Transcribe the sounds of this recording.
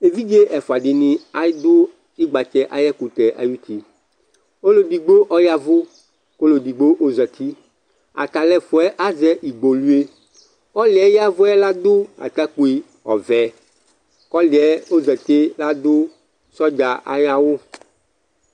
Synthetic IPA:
e˨vi˦d͡ʒe˦ʔɛ˨fʊ˨a˨ɖɪ˨nĩ˨a˦jd̪ʊ˦ | i˦ɡ͡ba˨t͡ʃɛ˦ʔa˨jɛ˦ku˨t̪ɛ˨ʔa̰˨ju˦t̪ʰi˦ | o˦lo˨di˨ɡ͡bo˦ʔɔ˦ja˨vʊ˦ | ko˦lo˨di˨ɡ͡bo˦ʔo˦zɛ˨t̪ʰi˦ | a̰˨t̪a˨lɛ˨fʊ˨ɛ˦ʔa˦zɛ˦ʔi˨ɡ͡bo˨lu˦e˦ | kɔ˦lɪ˨ɛ˦ja˦vʊ˦ɛ˦la˦d̪ʊ˦a̰˨t̪a˦ku˨˦i˨ | ɔ˨vɛ˨ | kɔ˦li˨ɛ˦o˦zɛ˨t̪e˦la˦d̪ʊ˦ | sɔ˦d͡ʒa˨ʔa̰˨ja˦wo˦

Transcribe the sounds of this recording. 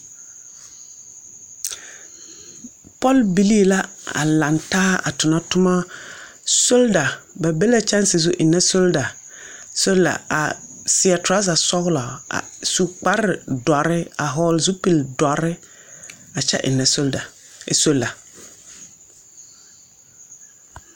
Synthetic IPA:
pɔ˦lbi˦li˦la˦a̰˨la˨ntaː˦a̰˨tʊ˨na˦tʊ˦ma˦ | so˦lda˨ba˨be˦la˦t͡ʃa˦nsɪ˨zʊ˦ʔɪ˨nːa˦so˦lda˨ | so˦lla̰˨a̰˨sɪ˨a˨ta˦s̬a˨sɔ˦ɣla˨a̰˨su˨k͡pa˦ɾɪ˨dɔ˨ɾɪ˦a˨ɦɔː˨˦lzu˦pi˨ldɔ˨ɾɪ˦ | a˨t͡ʃɛ̰˦ʔɪ̰˨nːa˨so˦lda˨ | so˦lːa˨

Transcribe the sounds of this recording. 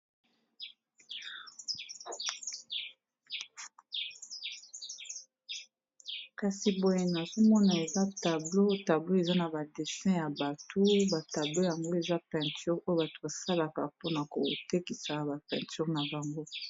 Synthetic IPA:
ka˨si˨bo˨je˨na˨zo˦mɔ˦na˨e˨za˦ta˨blo˦ta˨blo˦e˨za˦na˨ba˨de˨sɛ̃˦ja˨ba˨tʰo˦ba˨ta˨blo˦ja˨ŋɡo˦e˨za˦pɛ̃˨nty˦ʁo˦o˦ba˨to̥˨ba˨sa˦la˨ka̰˨po˦na˨ko˨te˦ki˨sa˨ba˨pɛ̰̃˨ty˦ʁna˨ba˨ŋɡo˦

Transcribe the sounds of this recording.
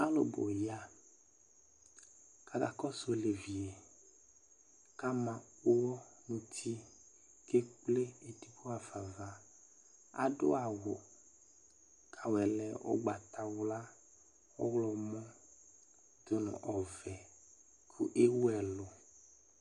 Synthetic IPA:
a˦lo̰˨bo̰˨ja˦ | ka˨ka̰˨kɔ˦so˨le˨vi˨e˨ | ka˦mã˨o˦wɔ˦nũ˨t̪ʰi˦ | ke˦k͡ple˦e˨t̪i˦bo˦a˨va˨va˨ | a̰˨ɖo˦a˨wo˨ | kʰa˨wɛ˨lɛ˨wo̰˦ɡ͡ba˨t̪a˨wla˦ | wɔ˦wlɔ˨mɔ̃˦ | d̪̥o˦nɔ̰̃˨ʔɔ˨vɛ˨ | kʰṵ˦ʔe˦wo˦ɛ˨lo˨

